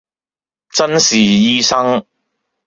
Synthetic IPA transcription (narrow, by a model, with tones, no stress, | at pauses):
t͡sɐ˥nsiː˨˩jiː˥sɐ˥ŋ